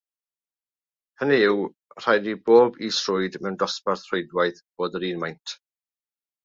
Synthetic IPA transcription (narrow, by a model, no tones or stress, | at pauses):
həniɪw | r̥ajdiboːbisrʊɨdmɛwndɔsparθrojdwajθb̥oːdəɾiːnmajntʰ